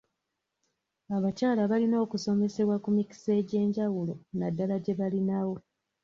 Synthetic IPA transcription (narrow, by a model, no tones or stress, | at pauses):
aβacaːlaβalino̞ːkuso̞me̞se̞βwakumiki̥se̞ːɟe̞ːɲɟawulo̞nadːalaɟe̞βalinawo̞